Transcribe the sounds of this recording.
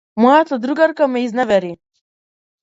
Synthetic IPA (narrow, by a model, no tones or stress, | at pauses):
mɔjat̪ad̪ɾuɡaɾkamɛiznavɛɾi